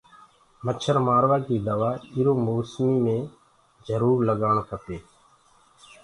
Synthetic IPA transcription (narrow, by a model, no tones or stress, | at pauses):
mət͡ʃʰəɾmaːɾʋaːkiːd̪əʋaːiːɾoːmoːsmiːmẽː | d͡ʒəɾuːɾləɠaːɳkʰəp̪eː